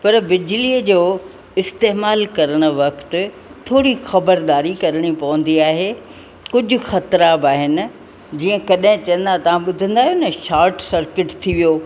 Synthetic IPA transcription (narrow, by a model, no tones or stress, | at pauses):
pɐɾbɪd͡ʑliəd͡ʑoː | ɪst̪eːmaːlkɐɾəɽ̃ʊ̆ʋɐkt̪ʊ̆ | t̪ʰoːɽixɐbəɾd̪aːɾikɐɾəɽ̃ipɐʋə̃nd̪iaːɦeː | kʊd͡ʑʱʊ̆xɐt̪ɾaːbaːɦɪnɪ̆ | d͡ʑiːə̃kɐɗɦɪ̃t͡ɕɐ̃ə̃n̆d̪at̪ɐʋ̤ãɓʊd̪ʱə̃nd̪aːɦjonɐʃaːɾʈsɐɾkɪʈt̪ʰiʋijoː